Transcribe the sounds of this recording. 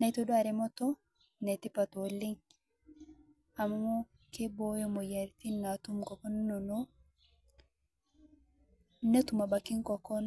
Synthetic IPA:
na˨i˦to˦do˦a˨ɾɛ˨mɔ˦t̪ɔ˦ | nɛ˨ti˦pa˨to˨lɪ˦ŋ | a˨ma˦mo˦ | ke˦bo˦jo˦mo˨ja˨ɾt̪i˦nːa˨t̪u˦mkɔ˨kɔ˦n˦no˨no˦ | ne˦tu˨ma˨ba˨ki˦ŋkɔ˨kɔ˦n

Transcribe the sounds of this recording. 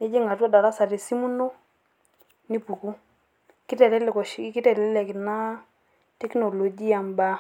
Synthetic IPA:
nɛ˦d͡ʒi˦ŋɡa˨tɔ˦da˨ɾa˦sa˨ɾi˨si˦mu˦no˦ | ni˦pu˨ku˦ | ki˦tɛ˨lɛ˦lɛ˨kɔ˨ʃki˦tɛ˨lɛ˦lɛ˨kɪ˨na˦ | tɛ˦knɔ˨lo˨d͡ʒi˦a˨mba˦

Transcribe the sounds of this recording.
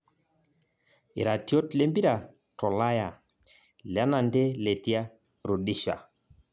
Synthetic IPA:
ɪ˨ɾa˨tjo˦tle˦mbi˦ɾa˨ | tɔ˨la˦ja˨ | la˦na˨nde˦le˨ti˦a˦ | ɾo˨di˦ʃa̰˨

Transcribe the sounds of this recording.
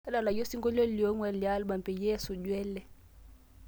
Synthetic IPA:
a˦la˨la˨jo˦si˦ŋɡʼɔ˦lo˦ljo˦ŋwɛ˨lja˦lɓa˨mpʼɛ˨je˦su˨ɟwɛː˦lɛ˨

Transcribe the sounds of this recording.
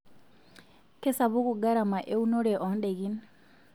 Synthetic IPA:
ke˦sa˨βu˦ku˨ɡa˦ɾa˨ma˨ʔe˦u˦no˦ɾɛʔɔnde˨ɣi˦n

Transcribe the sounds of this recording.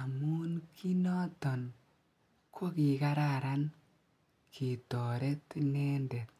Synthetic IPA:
a˨mu˦nkʰi˦nɔ˦tɔ˨n | kʰo˦ki˨ka˦ɾaɾa˦n | kʰi˨tɔ˨ɾe˦tnɛ˦nde˨t̚

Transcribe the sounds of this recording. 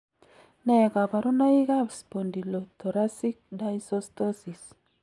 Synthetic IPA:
nɛka˨ba˨ɾu˦na˦i˦ɡa˦bspondi˨lo˨t̪o˨ɾa˦si˦k̚dajsost̪o˦si˨s

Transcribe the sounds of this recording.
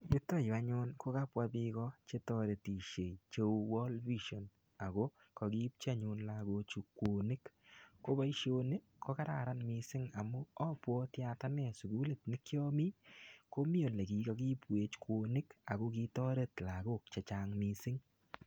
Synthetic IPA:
bɪ˦tːo˦˨jba˦ɲʊ˦nko˦ka˦pwa˦bikɔt͡ʃe˦tɔ˦ɾe˨ti˨ʃe˨t͡ʃo˦wwɔ˦lvi˦ʃo˨n | a˨ɡo˦ | kɔ˨ki˦p̚t͡ʃa˦ɲʊ˨nlaɡo˧t͡ʃu˨kːo˨nɪ˦kko˦ba˦i˦ʃo˦ne˦ | ko˦ka˦ɾa̰˨ɾa˦nmisɪ˦ŋa˨mʊ˦ɔ˦pwɔ˦tja˨ta˦nɛ˨su˨ɡu˦le˨tnɪ˦kjɔ˦mi˦ko˦mi˦o˨ne˨ki˨kɔ˨˦ɡi˦pwe˨˦t͡ʃkʰwo˨nɪ˦ka˨ɡo˦kitɔ˦ɾe˦tla˨ɡo˦˨k̚t͡ʃa˨t͡ʃa˨ŋmi˨sɪ˦ŋ

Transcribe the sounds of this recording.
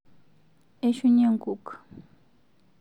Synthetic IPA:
e˦ʃu˦ɲe˦ŋɡu˦k

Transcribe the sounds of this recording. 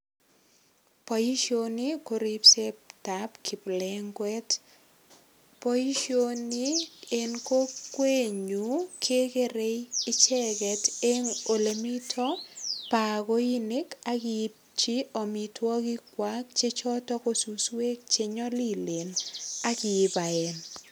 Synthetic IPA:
pɔ˨ji˦ʃo˦ni˦ko˨ɾi˦pse˦pta˨pkʰi˨plɛ˦ŋɡwɛ˦t | po˦i˦ʃo˦ni˦e˨nko˦kwe˦ɲu˨kʰe˦ke˦ɾe˦ɪ˦t͡ʃɛ˦kɛ˨te˦ŋo˨le˨mi˦tʰɔ˦pa˨ɡo˦i˦ne˦ka˦kɪ˦p̚t͡ʃi˦o˨mi˨twɔ˦kɪ˦kwa˦k̚t͡ʃe˦t͡ʃɔ˦tɔ˦ko˦su˨swe˦k̚t͡ʃe˨ɲɔ˦li˦le˨na˦kɪ˨ɪ˨˦pa˨ɛ˨n

